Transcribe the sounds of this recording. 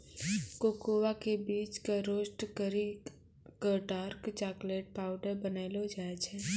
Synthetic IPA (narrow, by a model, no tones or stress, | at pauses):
koːkoːwakebiːt͡ʃkeɾoːʃʈəɾi | kəʈaːɾkt͡ʃaːkleːʈ̚paːʊɖəɾbənaːlod͡ʒaːet͡ʃʰɛː